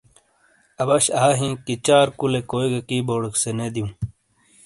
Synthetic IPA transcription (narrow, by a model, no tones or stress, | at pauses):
ɐbɐɕaːɦĩːkit͡ɕaːɾkulekoːjɡɐkiːboːɽɐksened̪ijũː